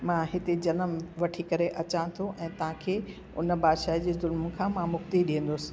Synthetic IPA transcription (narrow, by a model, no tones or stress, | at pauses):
mãɦɪt̪ed͡ʑɐnəmʋɐʈʰikɐɾeʔɐt͡ɕãt̪ʰoʔɛ̃ːt̪ɐʋ̤ɦãkʰeː | ʊ̰nbaːd̪ʃaːɦd͡ʑeːzʊlməkʰãːmãmʊxt̪iɗĩɦə̃n̆d̪ʊsɪ̥̆